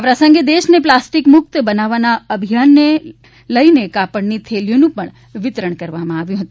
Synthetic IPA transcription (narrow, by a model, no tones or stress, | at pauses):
aʋɾasə̃ŋɡed̪eːʃneplasʈɪkmʊk̚t̪bənaʋanaəbʱijaːnːe | ləinekapəɽnit̪ʰeljonũpəɳ̃ | ʋɪt̪ɾəɳ̃kəɾʋamãaʋjũɦət̪ũ